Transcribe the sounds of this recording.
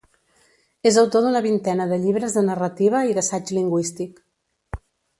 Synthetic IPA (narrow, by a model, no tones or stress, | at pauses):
ezəwt̪oðunəβint̪ɛnəðəʎiβɾəzðənərət̪iβ̞əiðəsad͡ʒliŋɡwist̪ik